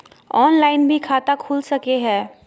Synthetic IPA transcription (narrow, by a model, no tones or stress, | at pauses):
ɔːnlaːɪnbʱikʰaːt̪akʰuːlsɐkeɦɛː